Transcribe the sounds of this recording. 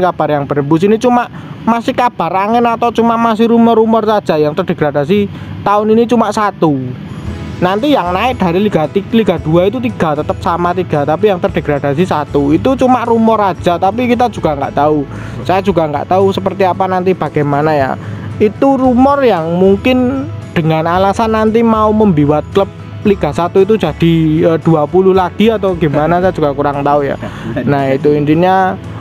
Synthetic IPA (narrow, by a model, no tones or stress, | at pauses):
kab̥a̤rjaŋb̥əɾəmbus̬init͡ʃumaʔ | masɪhkab̥a̤raŋɪnat̪ɔt͡ʃumaʔmasɪhɾumɔrumɔrsad̥ʒ̥a̤jaŋt̪ərd̥e̤ɡ̥ɾad̥asit̪aʊninit͡ʃumaʔsat̪u | nant̪ijaŋnaɪʔ̚d̪̥a̤ɾiliɡ̥at̪iliɡ̥a̤d̪̥ṳait̪ut̪iɡ̥a̤t̪ət̪əp̚samat̪iɡ̥a̤t̪apijaŋt̪ərd̥e̤ɡ̥ɾad̥asisat̪uit̪ut͡ʃumaʔrumɔrad̥ʒ̥a̤t̪apikit̪ad̥d͡ʒ̥uɡ̥a̤ŋɡaʔt̪au | sajad͡ʒuɡaŋɡa̰ʔt̪ausəpərt̪iapanant̪ib̥a̤ɡ̥ajmanaja̰it̪urumɔrjaŋmuŋkɪnd̪̥əŋanalasanːant̪imauməmbiwat̪̚kləp̚ | liɡ̥a̤sat̪uit̪̬ud̥d͡ʒ̥a̤d̥i̤əd̥uapuluhlaɡ̥i̤at̪oɡ̥imanasajad͡ʒ̥uɡ̥akuɾaŋt̪auja̰nahit̪uint̪iɲa